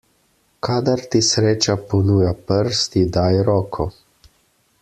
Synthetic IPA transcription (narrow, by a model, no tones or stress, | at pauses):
kʰaːd̪aɾt̪isɾeːt͡ʃapɔnuːjapəɾst̪id̪ajɾɔːkʰɔ